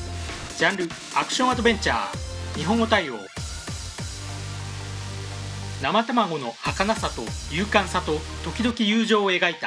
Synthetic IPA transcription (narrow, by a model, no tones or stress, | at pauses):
d͡ʑãnɾɯ̟ | akɯ̟̥ɕõ̞ɰ̃ad̪o̞bẽ̞ɲt͡ɕa̰ːɲ̟iɦõ̞ŋɡo̞t̪aio̞̰ː | namat̪amaɡo̞no̞hakanasat̪o̞jɯːkãɰ̃sat̪o̞t̪o̞kʲid̪o̞kʲijɯːʑo̞ːe̞ɡait̪a